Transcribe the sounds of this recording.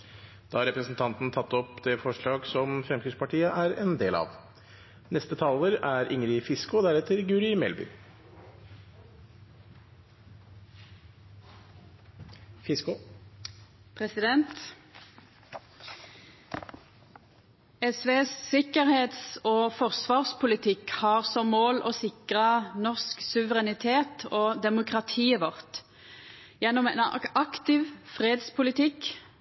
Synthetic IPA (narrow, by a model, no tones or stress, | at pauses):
d̪̥ɑːhɑɾɛpɾəsn̩t̪ʰɑnt̪n̩t̪ʰɑt̪ːɔpd̪ɛfɔʂɭɑːɡsɔmfɾɛmkʰʏspʰɑʈʰiːəʔæɾɛnd̪eːlɑ̰ʋ | nɛst̪ət̪ʰɑːləɾæɾɪŋɾɪfɪskʊd̪æɾɛt̪əɾɡʉːɾɪmɛ̰lbʏ̰ː | fɪskʊ | pʰʁɛsɪd̪ɛnt̪ | ɛsʋeːssɪkəʁheːt̪soːfɔʁsʋɑːʁspʰʊlɪt̪ʰɪkhɑːʁsɔmmoːlʔoːsɪkʁənɔʁsksʉʋəʁɛnɪt̪ʰeːt̪oːd̪ɛmʊkʁɑt̪ʰiːʋɔʁt̪ | jɛnɔmɛ̰ːnɑkt̪ɪʋfʁeːd̪spʰʊlɪt̪ʰɪk